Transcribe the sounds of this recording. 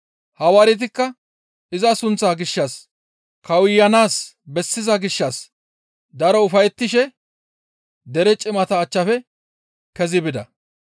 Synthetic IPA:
hɐwɐɾɪt̪̬ɪkːɐ | ɪzɐsʊnt͡sːaːɡɪʃːɐs | kɐwɪjːɐnaːs | bɛsːɪzɐɡɪʃːɐs | d̪ɐɾɔʊfɐjɛt̪ːɪʃɛ | d̪ɛɾɛt͡ʃʼɪmɐt̪ɐːt͡ʃːɐfɛ | kɛzɪbɪd̪ɐ̰

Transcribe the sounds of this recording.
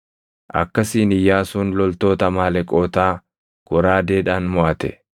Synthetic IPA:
ʔɐ̰kːɐsiːnɪjːaːsuːnlɔlt̪o̞ːt̪ɐmaːlɛkʼoːt̪aː | ɡ̥ɔɾaːd̪eːᶑaːnmɔʔɐt̪ɛ̰

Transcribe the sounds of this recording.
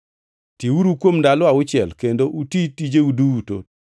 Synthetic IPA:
tiwuɾukwomndalɔaʊt͡ʃɪɛlkendoʔutitid͡ʒeuduuto̰

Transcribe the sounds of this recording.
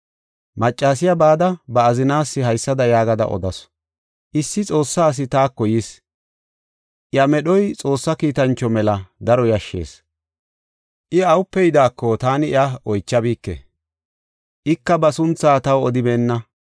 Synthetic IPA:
mɐt͡ʃʼːaːsɪjɐbaːd̪ɐbɐːzɪnaːsːɪɦɐjsːɐd̪ɐjaːɡɐd̪ɐ̰ʔɔ̰d̪ɐs | ʔɪsːɪt͡sʼo̞ːsːaːs̬ɪt̪aːkːɔjɪs | ʔɪjɐmɛɗɔjt͡sʼo̞ːsːɐkiːt̪ɐnt͡ʃːɔmɛlɐd̪ɐɾɔjɐʃːe̞̰ːs | ʔɪɐwʊpːɛjd̪aːkːɔt̪aːnɪɪ̰jaɔjt͡ʃːɐbiːkːḛ | ʔɪkːɐbɐsʊnt͡sːaːt̪ɐwɔd̪ɪbeːnːɐ

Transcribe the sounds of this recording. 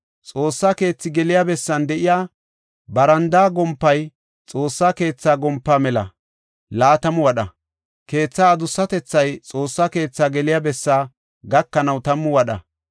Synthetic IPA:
t͡sʼo̞ːsːaːke̞ːt͡sːɪɡɛlɪjabɛsːɐnd̪ɛʔɪjaː | bɐɾɐnd̪aːɡɔmpːɐj | t͡sʼo̞ːsːaːke̞ːt͡sːaːɡɔmpːaːmɛlɐ̰ | laːt̪ɐmʊwɐɗɐ̰ | ke̞ːt͡sːaːd̪ʊsːɐt̪ɛt͡sːɐjt͡sʼo̞ːsːaːke̞ːt͡sːaːɡɛlɪjaːbɛsːaː | ɡɐkːɐnɐwt̪ɐmːʊwɐɗɐ̰

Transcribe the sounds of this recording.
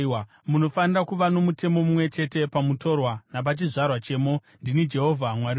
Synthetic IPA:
muno̞fanirakuʋano̞mute̞mo̞mumwe̞t͡ʃe̞te̞pamuto̞rwanap̬at͡ʃiʐarwat͡ʃe̞ːmo̞ | ndinid͡ʒe̞ɦo̞vʱamwaɾi

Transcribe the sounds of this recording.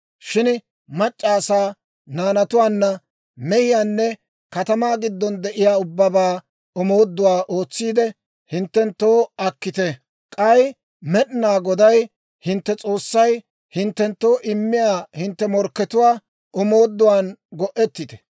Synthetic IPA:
ʃɪn | mɐt͡ʃʼːaːsaː | naːnɐt̪ʊwaːnːɐ | mɛhɪjaːnːɛ | kɐt̪ɐmaːɡɪd̪ːɔnd̪ɛʔɪjaːʊbːɐbaː | ɔmo̞ːd̪ːʊwaːʔoːt͡sːiːd̪ɛ | hɪnt̪ːɛnt̪ːoːɐkːɪt̪ɛ | kʼɐj | mɛɗɪnaːɡɔd̪ɐj | hɪnt̪ːɛt͡sʼo̞ːsːɐj | hɪnt̪ːɛnt̪ːoːʔɪmːɪjaːhɪnt̪ːɛmɔɾkːɛt̪ʊwaː | ɔmo̞ːd̪ːʊwaːnɡɔʔɛt̪ːɪt̪ɛ̥

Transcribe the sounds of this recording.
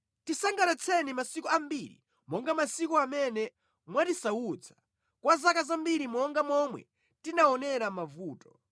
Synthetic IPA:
tisaŋɡanat͡sʰɛnimasikuambiɾḭ | mɔŋɡamasikuamɛnɛ | mwatisaut͡sʰḁ | kwazakazambiɾimɔŋɡamɔmwɛ̰ | tinaɔnɛɾamavuːtɔ̥

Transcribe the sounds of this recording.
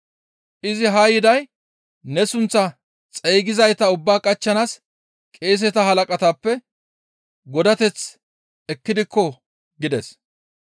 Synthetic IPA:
ʔɪzɪɦɐjɪd̪ɐj | nɛsʊnt͡sːɐ | t͡sʼɛjɡɪzɐjt̪ɐʊbːaːkʼɐt͡ʃːɐnas | kʼe̞ːs̬ɛt̪ɐɦɐlɐkʼɐt̪ɐpːɛ | ɡɔd̪ɐt̪ɛt͡s | ɛkːɪd̪ɪkːɔ | ɡɪd̪ɛs

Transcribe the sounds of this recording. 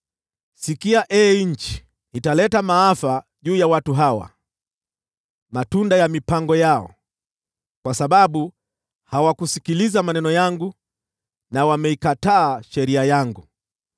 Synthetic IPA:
sikiaʔɛɲ̩t͡ʃi̥ | italɛtamaafaʄuːjawatuɦawa̰ | matundajamipaŋɡɔjaɔ̰ | kwasaɓaɓu | hawakusikilizamanɛnɔjaŋɡu | nawamɛikataːʃɛɾiajaŋɡu

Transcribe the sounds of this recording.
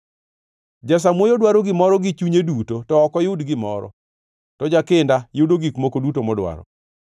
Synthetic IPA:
d͡ʒas̬amwojodwaɾoɡɪmɔɾɔɡɪt͡ʃuɲedutotɔɔkɔjʊdɡɪmɔɾɔ̰ | tɔd͡ʒakɪndajʊdoɡikmokodutomɔdwa̰ɾɔ̰

